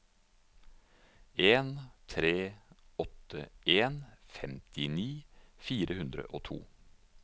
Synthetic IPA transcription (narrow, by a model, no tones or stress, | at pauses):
eːnt̪ʰɾeːɔt̪əʔeːnfɛmt̪ɪniːfiːɾəhʉnd̪ɾə̰ʔoːt̪ʰṵː